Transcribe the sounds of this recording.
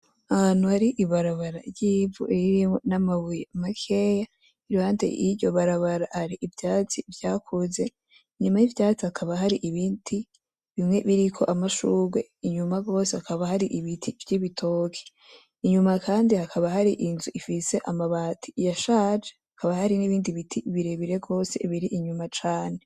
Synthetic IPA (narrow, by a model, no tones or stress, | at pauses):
aanuhaɾiʔiβaɾaβaɾa̰ɾɟiːvṵʔiɾiɾimonamaβujeamakʰe̞ja | iɾuhaːntḛiɟo̞βaɾaβaɾahaɾiʔivjaːt͡sivjaːkʰuze̞ | ɲumajivjaːt͡siakʰaβaɦaɾiʔiβiːndi | βimŋe̞βiɾikʰo̞̰ʔamaʃuɡwe̞̰iɲumaɡo̞ːsehakaβahaɾiʔiβitʰivɟiβitʰo̞ːkʰe̥ | iɲumakʰaːndihakʰaβaɦaɾiʔinzuʔifise̞ʔamaβaːtʰi̥jaʃad͡ʒehakʰaβahaɾiniβiːndiβitʰiβiɾeβiɾe̞ɡo̞ːse̞̰βiɾiʔiɲumat͡ʃaːne